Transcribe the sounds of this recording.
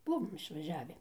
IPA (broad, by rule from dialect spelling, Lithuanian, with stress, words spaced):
ˈbʊʋoːm ɪʃʋɐˈʒʲæːʋʲɪ